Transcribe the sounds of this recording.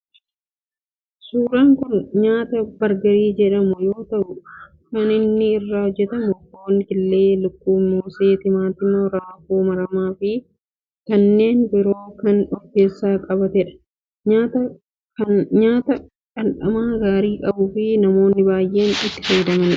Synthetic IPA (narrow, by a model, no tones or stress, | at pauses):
suːɾaːŋkʊnɲaːt̪ɐbɐɾɡɐɾiːd͡ʒɛᶑɐmʊjo̞ːt̪ɐʔʊ | kɐnɪnːɪːrːaːhɔd͡ʒːɛt̪ɐmʊoɐŋkɪlːe̞ːlʊkːuːmoːseːt̪ɪmaːt̪ɪmoɾaːfuːmɐɾɐmaːfɪ | kɐnːe̞ːnbɪɾo̞ːkɐnɔɡe̞ːsːaːkʼɐbɐt̪ɛᶑɐ̥ | at̪ɐ | ɲaːt̪ɐ | kɐnᶑɐmaːɡaːɾiːkʼɐbʊfɪnɐmo̞ːnːɪbaːjʔe̞ːnɪt̪ːɪ̥fɐjɪd̪ɐmɐn